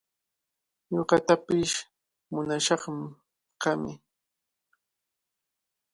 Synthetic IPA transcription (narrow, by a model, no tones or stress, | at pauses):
joɢɑt̪apɪʃ | mʊnaʃɑχm | qɑmɪ